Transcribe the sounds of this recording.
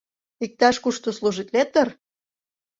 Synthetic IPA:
ik̚t̪ɑʃkuʃt̪osluʒit̪let̪ːə̆r

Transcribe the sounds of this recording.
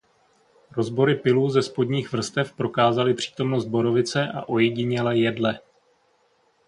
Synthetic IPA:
ɾo̞zbo̞ɾɪpɪluːzɛspo̞dɲiːxvr̩st̪ɛfpɾo̞kaːzalɪpr̝̥i̥ːt̪o̞mnost̪̚bo̞ɾo̞vɪt͡sɛʔa̰ʔo̞jɛɟɪɲɛlɛjɛdlɛ

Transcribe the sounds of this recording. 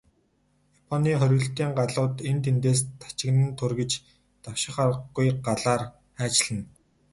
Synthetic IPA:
japʰɔniːχœɾ̆ʲɣɵ̆ɬt̪iːŋɢaɮʊːt̪ent̪ʰent̪eːs̬t̪ʰḁt͡ɕɪ̆ɣnɘ̆nt̪ʰʊrɣĕt͡ɕ | t̪awʃɪ̆χarəɡujɢaɮaːr | χæːt͡ɕɮə̆n

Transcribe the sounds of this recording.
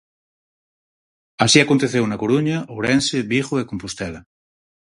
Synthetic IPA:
asiakont̪eθewnakoɾuɲaʔowɾenseβiχoekompust̪ɛla

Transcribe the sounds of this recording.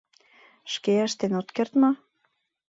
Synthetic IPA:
ʃkeəʃt̪enot̪kert̪mɑ

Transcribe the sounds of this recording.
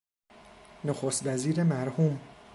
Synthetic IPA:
noxost̪væziːɾemæɾhuːm

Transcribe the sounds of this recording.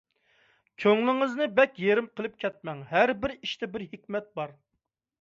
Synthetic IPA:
kʲʰøŋlˠɪŋɨznɨbɛkʲjeɾɪmqʰəlˠɨp̚kʲʰɛt̪̚mɛŋɦæɾbɪɾiʃt̪ʰɛbɪɾɦɪkʲmɛt̪̚bɑɾ

